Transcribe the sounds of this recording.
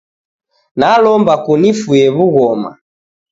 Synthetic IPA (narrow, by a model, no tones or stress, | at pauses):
nalɔmbakunifuɛβuɣɔma̰